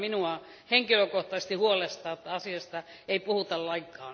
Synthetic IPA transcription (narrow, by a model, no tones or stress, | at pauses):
minuɑ | heŋkiløkoht̪ɑsest̪ihuolest̪ɑːt̪ːɑɑsiɑst̪ɑ | eipuhut̪ɑllɑiŋkːˑɑ̰ːn